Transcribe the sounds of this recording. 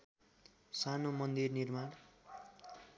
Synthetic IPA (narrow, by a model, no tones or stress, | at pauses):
sanomʌnd̪irnirman